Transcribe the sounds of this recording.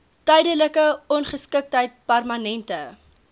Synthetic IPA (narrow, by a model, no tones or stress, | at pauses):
tɛjdələkəɔnχəskək̚tɦəjt̚pærmɐnɛntə